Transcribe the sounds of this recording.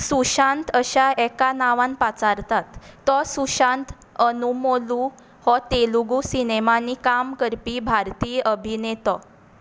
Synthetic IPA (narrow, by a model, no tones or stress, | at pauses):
suɕãnt̪ʰəɕaɛkanaʋãnpat͡saɾt̪at̪ːɔsuɕãnt̪ | ənumolu | hɔt̪eluɡusinemanikamkəɾpibʱaɾt̪iːjʔəbʱinet̪ɔ